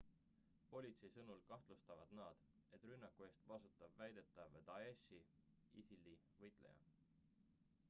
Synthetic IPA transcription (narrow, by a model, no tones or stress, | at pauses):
po̞lʲit̪sejsɤnulkɑht̪lust̪ɑvɑd̪̥nɑːd̪̥e̞t̪ːˑrynːɑkːue̞ːst̪vɑsut̪ːˑɑbvæjd̪̥e̞t̪ːˑɑved̪̥ɑesi | ḭsilːi | vɤjt̪ˑle̞̰jɑ̰